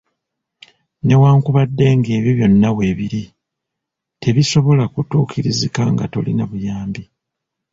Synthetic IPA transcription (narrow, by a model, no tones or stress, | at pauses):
ne̞waːŋkuβadːe̞ːŋɡe̞ːβiβjo̞nːawe̞ːβiɾi | te̞βiso̞βo̞lakutuːkʰiɾizikaŋɡato̞̰linaβujaːmbi